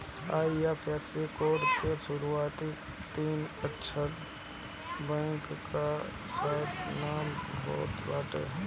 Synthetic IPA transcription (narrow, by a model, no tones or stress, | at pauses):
aːiapʰɛːslikoːɖkeʃʊɾuaːt̪i | t̪iːnətːʃʰə | bɛ̃ːŋkka | saːt̪naːmbɔ̰ːt̪baːʈḛɦɛ